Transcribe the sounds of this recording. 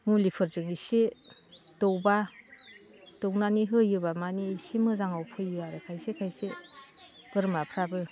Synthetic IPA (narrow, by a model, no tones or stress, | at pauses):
mulipʰɯɾzɯŋisi | towba | d̥ownaniɦɯjːɯbamaniːsimɯzaŋawpʰɯjɯaɾekʰajsekʰajse | b̥ɯɾmapʰɾabɯ